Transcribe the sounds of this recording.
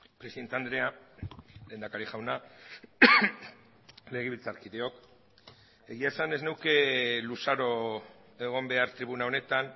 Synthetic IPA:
pɾeiðe̞nt̪e̞and̪ɾe̞a | le̞ːnd̪akaɾiʝawna | le̞ɣ̞eβilt͡saɾkiðe̞o̞k | e̞ɣ̞iaesane̞znewke̞lusaɾo̞ | e̞ɣ̞o̞mbe̞aɾt̪ɾiβunao̞ne̞t̪an

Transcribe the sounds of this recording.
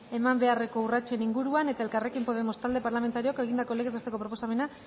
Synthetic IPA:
e̞mambe̞are̞ko̞urat͡ʃe̞niŋɡuɾuane̞t̪ae̞lkare̞kimpo̞ð̞e̞mo̞st̪ald̪e̞paɾlame̞nt̪aɾioke̞ɣ̞ind̪ako̞leɣezest̪eko̞pɾo̞po̞same̞na

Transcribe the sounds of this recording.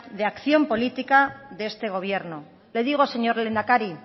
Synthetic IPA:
ðe̞akθjo̞mpo̞lit̪ikaðest̪e̞ɣ̞o̞βje̞ɾno | le̞ðiɣ̞ose̞ɲo̞ɾle̞nd̪akaɾi

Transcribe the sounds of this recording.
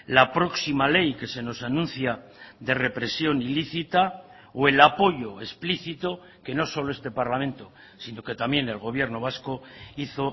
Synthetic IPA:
lapɾo̞ksimale̞jke̞se̞no̞sanũn̟θjaðe̞re̞pɾe̞sjo̞niliθit̪a | oe̞lapo̞ʎo̞espliθit̪o̞ | ke̞no̞so̞loe̞st̪e̞paɾlamẽ̞nt̪o̞ | sino̞ke̞t̪amje̞ne̞lɣ̞o̞βje̞ɾno̞βasko̞iθo̞

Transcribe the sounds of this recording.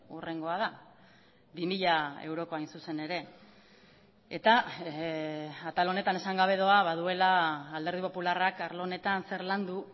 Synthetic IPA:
ure̞ŋɡo̞að̞a | bimiʎae̞̰wɾo̞ko̞ajnsuse̞ne̞ɾe̞ | et̪a | at̪alo̞ne̞t̪ane̞saŋɡaβ̞e̞ðoaβað̞ue̞laːld̪e̞ɾðipo̞pularakaɾlone̞t̪anse̞ɾland̪u

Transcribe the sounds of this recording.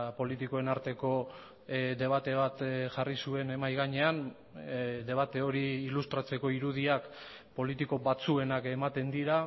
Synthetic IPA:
po̞lit̪ikoe̞naɾt̪e̞ko̞ | d̪e̞β̞at̪e̞β̞at̪ʝarisue̞ne̞majɣaɲe̞an | d̪e̞β̞at̪e̞o̞ɾiːlust̪ɾat͡se̞ko̞iɾuðiak | po̞lit̪iko̞βat͡sue̞nake̞mat̪e̞nd̪iɾa

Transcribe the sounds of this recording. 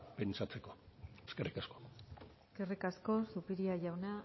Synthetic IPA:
pe̞nt͡ʃat͡se̞ko̞eske̞rikasko̥eske̞rikasko̞supiɾiaʝawna

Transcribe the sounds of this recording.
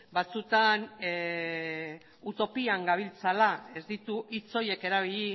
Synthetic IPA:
bat͡sut̪an | ut̪o̞piaŋɡaβ̞ilt͡salae̞zd̪it̪uit͡so̞je̞ke̞ɾaβiʎi

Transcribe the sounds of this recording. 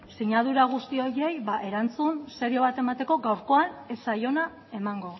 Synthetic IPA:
siɲaðuɾaɣ̞ust̪io̞je̞jβaʔe̞ɾant͡sunse̞ɾio̞β̞at̪e̞mat̪e̞ko̞ɡawɾko̞anesajo̞na | e̞maŋɡo̞

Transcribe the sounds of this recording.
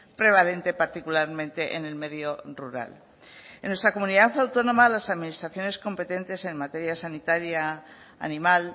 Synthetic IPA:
pɾe̞β̞alẽ̞nt̪e̞paɾt̪ikulaɾmẽ̞nt̪e̞ʔḛne̞lme̞ðjo̞ruɾa̰l | enwe̞st̪ɾako̞mũniðafeawt̪o̞nõ̞malasaðminist̪ɾaθjo̞ne̞sko̞mpe̞t̪e̞nt̪e̞se̞nmat̪e̞ɾjasanit̪aɾja̰ː | nimal

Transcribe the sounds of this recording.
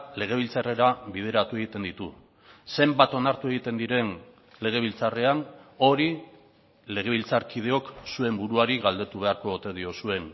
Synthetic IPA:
le̞ɣe̞β̞ilt͡sare̞ɾaβið̞e̞ɾat̪ue̞ɣ̞it̪e̞nd̪it̪u | se̞mbat̪o̞naɾt̪ue̞ɣ̞it̪e̞nd̪iɾe̞n | le̞ɣe̞β̞ilt͡sare̞ano̞ɾi | le̞ɣ̞e̞βilt͡saɾkið̞e̞o̞ksue̞mbuɾuaɾiɣald̪e̞t̪uβe̞aɾko̞ːt̪e̞ðio̞sue̞n

